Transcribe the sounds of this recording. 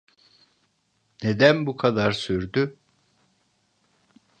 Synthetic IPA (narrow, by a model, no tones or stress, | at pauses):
ne̞d̪ænbukʰad̪aɾsyɾd̪y